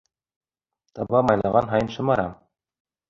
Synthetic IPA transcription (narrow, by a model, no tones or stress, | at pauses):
t̪ɑbɑmɑjlˠɑʁɑnɦɑjɤnʃɤ̆mɑɾɑm